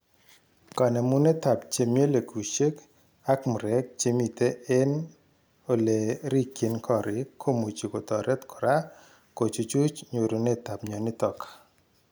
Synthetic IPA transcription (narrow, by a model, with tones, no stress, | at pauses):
kɔ˨nɛ˨mu˦ne˦t̪a˨pt͡ʃe˨mje˦le˨ku˨t͡ʃe˦k | a˦km˨ɾɛ˨k̚t͡ʃe˦mi˨t̪e˦ɛ˦n | o˨le˨ɾi˦kːe˨nkʰɔ˦˨ɾɪ˨kʰo˦mu˨t͡ʃi˨ko˨t̪ɔ˨ɾʔɛ˦t̪kʰɔ̥˨ɾa˦ | ko˨t͡ʃu˨t͡ʃu˦t͡ʃɲo˨ɾu˨ne˦t̪a˨pɲɔ˨nɪ˦t̪ɔ˨k